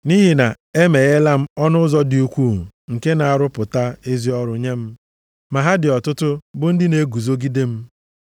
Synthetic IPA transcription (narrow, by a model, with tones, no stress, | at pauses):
ni˦ɦi˨na˨ | e˦me˨ɣe˦la˦m̩˦ɔ˦nʊ˦zɔ˦dɪ˨u˦kʷuː˦˨ŋ̩˨ke˦na˨a˨ɾʊ˦pʊ˨ta˦e˦zi˦ɔ˦ɾʊ˨ɲe˦m̩˦ | ma˨ɦa˦dɪ˨ɔ˨tʊ˦tʊ˦bʊ˦n̩˦dɪ˦ne˦ɡu˨zo˦ɡi˦de˦m̩˦